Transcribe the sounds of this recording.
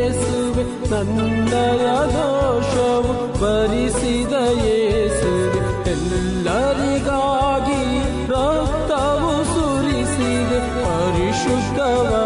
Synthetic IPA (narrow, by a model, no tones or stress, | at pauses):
suʋe | nɐn | d̪ɐjɐnoːʂɐʋu | bɐɾisid̪ɐjeːsu | ʋe | ɛlː | ɐɾiɡaːɡi | ɾɐ | t̪ːɐʋu | su | ɾisid̪e | pɐɾiʃud̪ʱːɐʋa